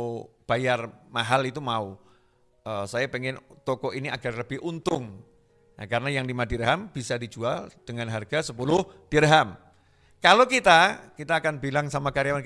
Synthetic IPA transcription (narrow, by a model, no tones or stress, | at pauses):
b̥ajarmaɦalit̪umau | əsajapeŋɪnt̪ɔkɔʔiniaɡarləbɪhʔunt̪ʊŋ | na̰kaɾənajaŋdimadiɾɦamb̥isadid͡ʒuald̥əŋanɦarɡasəpulʊhd̥iɾɦam | kalokit̪akit̪aːkanbilaŋsamakaɾjawan